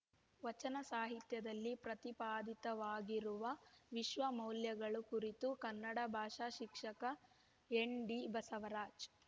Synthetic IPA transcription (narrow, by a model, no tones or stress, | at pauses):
ʋɐt͡ʃɐnɐsaːɦit̪jɐd̪ɐlːipɾɐt̪ipaːd̪it̪ɐʋaːɡiɾuʋɐʋiʃʋɐmɐwljɐɡɐɭukuɾit̪ukɐnːɐɽɐbʱaːʂaːʃikʂɐkɐ | eɳɖibɐsɐʋɐɾaːd͡ʒ